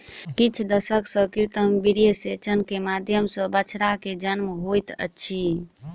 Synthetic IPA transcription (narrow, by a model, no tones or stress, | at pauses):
kit͡ʃʰd̪əsəksə̃kit̪əmbiɾijəset͡ʃənkemad̪ʱjəmsə̃bət͡ʃʰɾaked͡ʒənmɦojt̪ə̰ːt͡ʃʰi